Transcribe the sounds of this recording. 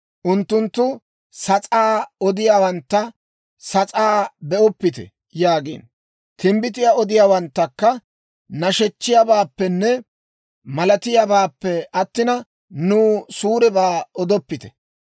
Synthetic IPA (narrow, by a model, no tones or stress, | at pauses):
ʔʊnt̪ːʊnt̪ːʊ | sɐt͡sʼaːɔd̪ɪjaːwɐnt̪ːɐ | sɐt͡sʼaːbɛʔɔpːɪt̪ɛ̰ | jaːɡḭːn | t̪ɪmbɪt̪̬ɪjaɔd̪ɪjaːwɐnt̪ːɐkːɐ | nɐʃɛt͡ʃːɪjabaːpːɛnːɛ | mɐlɐt̪ɪjabaːpːɛɐt̪ːɪnɐ | nuːsuːɾɛbaːɔd̪ɔpːɪt̪ɛ̥